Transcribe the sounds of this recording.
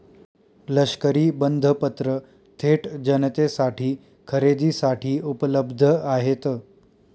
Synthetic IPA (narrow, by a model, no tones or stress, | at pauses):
ləɕkəɾiːbənd̪ʱəpət̪ɾə | t̪ʰeʈd͡ʑənət̪esaʈʰiː | kʰəɾed̪iːsaʈʰiːupələbd̪ʱəaɦet̪əː